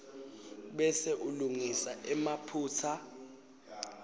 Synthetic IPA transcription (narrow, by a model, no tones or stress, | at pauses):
ɓɛseʔuluŋisaʔɛmapʰuːt͡sʰa